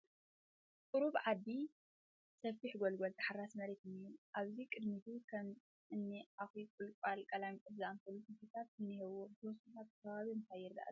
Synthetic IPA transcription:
kʼɨɾuβʕad̪ːi | sɐfiħɡolɡolt̪ʰʼɐħaɾasmɐɾet̪ɨnuʔaβzikʼɨd̪mit̪ʰukʰɐm | ʔɨnːiʔaxikʼulkʼalkʼɐlamkʼɨd̪zɨamt̪ʰɐlːusɨfit̪ʰat̪̚ɨnːihɛwot̪ʰɐwɔsit̪ʰat̪̚kʰːɐβaβiɨnt̪ʰajɛɾd̪a̰ʔa̰

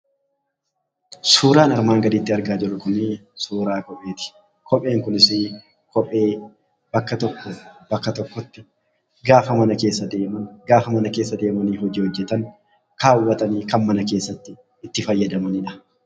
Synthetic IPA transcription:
suːɾaːnɐɾmaːŋɡɐd̪ɪːt̪ːɪɐɾɡaːd͡ʒɪɾʊkʊnɪsuːɾaːkɔpʼe̞ːt̪ɪ̥ | kʰɔpʼe̞ːŋkʊnɪsɪ | kʰɔpʼe̞ː | b̥ɐkːɐt̪ɔkːɔbɐkːɐt̪ɔkːɔt̪ːɪ | ɡaːfɐmɐnɐke̞ːsːɐd̪e̞ːmɐɡaːfɐmɐnɐke̞ːsːɐd̪e̞ːmɐniːɦɔd͡ʒɪːhɔd͡ʒːɛt̪ɐŋ | kaːwːɐt̪ɐniːkɐnmɐnɐke̞ːsːɐt̪ːɪː | t̪ːɪfɐjːɐd̪ɐmɐnɪᶑɐ̥

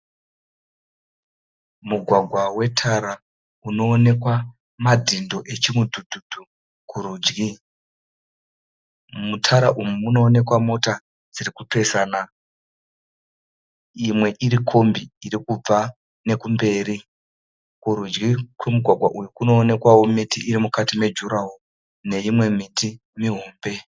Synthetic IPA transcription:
muɡʱwaɡʱwawe̞tʰaɾa | uno̞ːne̞kwa | madʱindo̞ʔe̞t͡ʃimudʱudʱud̥ʱu | kuɾud͡ʒɡi | mutʰaɾaʔumuuno̞ːne̞kwamo̞ta | d͡zirikupe̞saːna | imwe̞ʔiɾikʰo̞mbiːɾikub͡va | ne̞kumbe̞ːɾi | kuɾud͡ʒɡikwemuɡʱwaɡʱwa̰ʔujukuno̞ːne̞kwawo̞mitiʔiɾimukatime̞d͡ʒuɾaɦo | ne̞imwe̞mitʰi | miɦoːmbe̞

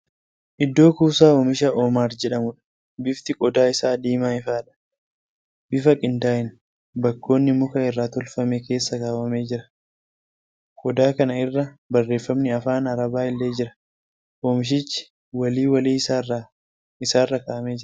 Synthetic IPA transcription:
ʔɪd̪ːo̞ːkuːsaːoːmɪʃɐʔoːmaːɾd͡ʒɛᶑɐmʊᶑɐ̥ | bɪft̪ɪkʼɔd̪aːɪsaːd̪iːmaːɪfaːᶑɐ̥ | b̥ɪfɐkʼɪnt̪aːʔɪn | bɐkːo̞ːnːɪmʊkɐɪrːaːt̪ʊlfɐmeke̞ːsːɐkaːwɐme̞ːd͡ʒɪɾɐ̥ | kʼɔd̪aːkɐnɐɪrːɐbɐrːe̞ːfːɐmnɪɐfaːnɐɾɐbaːɪlːe̞ːd͡ʒɪɾɐ̥ | ʔoːmɪʃ̬ɪt͡ʃːɪ̥ | wɐliːwɐliː | ɪsaːrːɐkaːʔɐme̞ːd͡ʒɪɐ

